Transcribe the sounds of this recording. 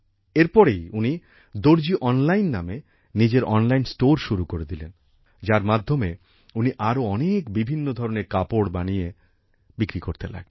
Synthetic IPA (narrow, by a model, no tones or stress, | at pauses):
eɾpɔɾejuni | d̪oɾd͡ʑiʔɔnlajnːame | nid͡ʑeɾʔɔnlajnsʈoɾʃuɾukoɾed̪ilen | d͡ʑaɾmad̪ʱːome | uniʔaɾoɔnekbibʱinːod̪ʱɔɾoneɾkapoɽbanije | bikɾikoɾt̪ela̰ɡ̥̚